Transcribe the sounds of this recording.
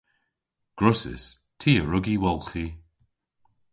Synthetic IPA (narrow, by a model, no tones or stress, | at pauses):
ɡ̥ɹʊsɪ̰s | tʰiːəɹʊɡiwɔlˠxi